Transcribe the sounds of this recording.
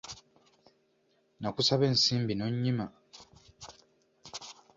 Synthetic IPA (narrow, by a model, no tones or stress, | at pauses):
nakusaβe̞ːnsiːmbinoɲːima